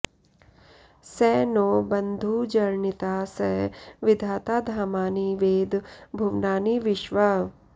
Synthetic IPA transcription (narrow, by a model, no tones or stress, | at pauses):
sɛːnoːbɐnd̪ʱud͡ʒɐɾɳit̪aːsɐɦʋɪd̪ʱaːt̪aːd̪ʱaːmaːniʋeːd̪bʱuʋnaːniʋɪʃʋɐ